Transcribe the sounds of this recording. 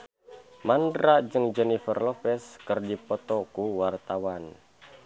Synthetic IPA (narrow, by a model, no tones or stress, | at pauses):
mandɾad͡ʒɨŋd͡ʒɛnifərlɔpɛskərdipɔt̪ɔkuwart̪awan